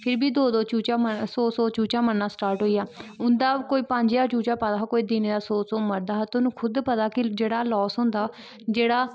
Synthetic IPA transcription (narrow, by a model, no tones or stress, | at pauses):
pʰɪɾbiːd̪oːd̪oːt͡ʃuːt͡ʃaːməsoːsoːt͡ʃuːt͡ʃaːmənːaːsʈaːɾʈɦoːijaːʊnd̪aːkoːiːpəɲd͡ʒjaːt͡ʃuːt͡ʃaːpət̪aːkoːiːd̪ineːd̪aːsoːsoːməɾd̪aːt̪ʊnũːkʰʊd̪pət̪aːkɪd͡ʒeːɽaːlɔːsɦõːnd̪aː | d͡ʒeːɽaː